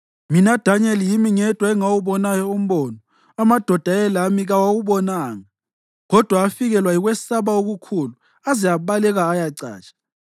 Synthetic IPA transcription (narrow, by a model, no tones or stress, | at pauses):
minad̥ʱaɲɛlijimiŋɛd̥ʱwaɛŋawuβɔnajɔum̩βɔːnɔ | amad̥ʱɔd̥ʱaɛlamiɣawawuβɔnaːŋa | ɣɔd̥ʱwaːfiɣɛlwaiɣwɛsaβaoɣukʰulu | azijaβalɛɣaːjaǀa̰ːt͡ʃʼḁ